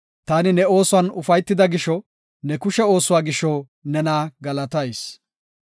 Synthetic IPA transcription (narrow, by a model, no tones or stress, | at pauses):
t̪aːnɪnɛo̞ːsʊwɐnʊfɐjt̪ːɪd̪ɐɡɪʃɔ | nɛkʊʃɛo̞ːsʊwaːɡɪʃɔ | nɛnaːɡɐlɐt̪ɐjs